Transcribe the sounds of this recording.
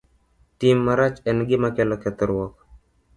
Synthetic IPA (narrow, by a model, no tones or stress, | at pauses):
timːaɾat͡ʃɛnɡɪmakɛlɔkɛt̪ɔɾwɔk